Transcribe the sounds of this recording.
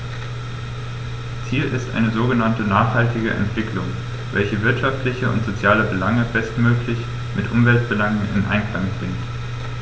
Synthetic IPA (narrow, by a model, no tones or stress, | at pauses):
t͡siːlʔɪstʔa̰ɪnəzoːɡənantənaːχhaltɪɡəʔɛ̰ntv̥ɪkʰlʊŋ | vɛ̰lçəvɪɐtʃaftlɪçəʊ̰ntz̥ot͡sjaːləbəlaŋəb̥ɛstmøːklɪç | mʔɪtʔʊmvɛltb̥əlaŋənɪ̰nʔa̰ɪnklaŋpʁ̥ɪŋt